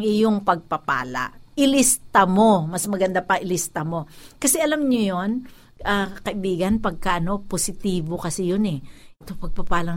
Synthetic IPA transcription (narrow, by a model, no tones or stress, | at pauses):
ŋʔɪjoŋpɐɡ̚pɐpa̰ːlɐa̰ʔʔɪlist̪ɐmo̞mɐsmɐɡɐnd̪apɐʔɪlist̪ɐmo̞kɐsɛʔɐlamɲojon | ʔakɐʔɪbiːɡɐnpɐɡ̚kaʔɐno̞posɪt̪iːbo̞kɐsɛjonɛʔɛt̪opɐɡ̚pɐpaːlɐŋ